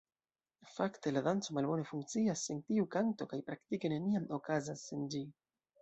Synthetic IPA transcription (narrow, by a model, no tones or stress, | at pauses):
fakte̞ladant͡so̞malbo̞ne̞fuŋk̚t͡siasentiukanto̞kajpɾaktike̞ne̞niamo̞kazasːend͡ʒi